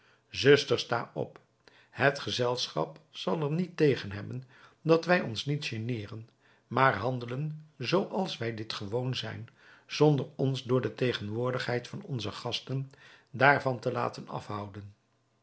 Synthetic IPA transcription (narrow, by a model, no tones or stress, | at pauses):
zɵstəɹsta̰ːɔ̰p | hɦətχəzɛlˠsχɑ̰psɑlˠəɹnitejχənɦɛbən | dɑtʋɛjɔnsnitʃənɪːrən | maːɹɦɑndələnzowʔɑlˠsʋɛjdɪtχəʋownzɛ̰jn | z̥ɔndəɹɔnzdʊːɹdətejχənʋʊːɹdəχɦɛjtfɑnɔ̰nzəχɑstəndaːɹvɑntəla̰ːtənɑ̰fɦʌwdən